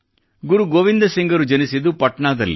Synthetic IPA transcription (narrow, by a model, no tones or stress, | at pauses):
ɡuɾuɡoːʋind̪ɐsiŋɡɐɾud͡ʒɐnisid̪upɐʈɳaːd̪ɐ̰lːḭ